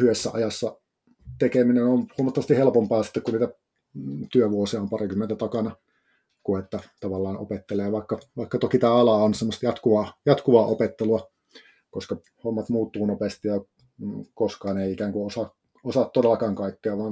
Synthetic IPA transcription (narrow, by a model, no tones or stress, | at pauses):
hyʋesːæ̰ɑ̰jɑsːɑ | t̪ekeminenonhuomɑt̪ːɑʋɑst̪ihelpompɑːsi̥t̪ːekunniːt̪æ | t̪yøʋuosiɑompɑrikymːent̪æt̪ɑkɑnɑ | kuet̪ːæt̪ɑʋɑlːɑːnʔo̰pet̪ːeleːʋɑikːɑʋɑˑikːɑt̪okit̪æːɑlɑonsemːost̪jɑt̪kuʋɑːjɑt̪kuʋɑːʔopet̪ːeluɑ | koskɑ | homːɑt̪muːt̪ːuːnopest̪ijɑ | koskɑːneiikæːŋkuosɑ | osɑt̪t̪odelːɑkɑːŋkɑikːeɑʋɑːn